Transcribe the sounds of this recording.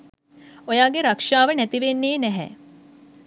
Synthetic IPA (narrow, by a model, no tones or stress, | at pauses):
ojaːɡeɾakʂaːʋənɛt̪iʋenːeːnɛɦɛ̰ː